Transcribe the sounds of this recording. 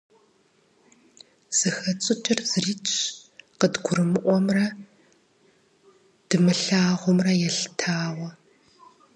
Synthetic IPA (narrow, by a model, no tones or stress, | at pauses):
z̥ɨxɐt͡sʼɨt͡ʃʼɪrzɨriːt͡ʃʼʰqədɡʷʊɾɨmɨʔʷɔmrɐ | d̥ɨmɨɬaːʁʷɔmrɐjɛɬtʰaːwɐ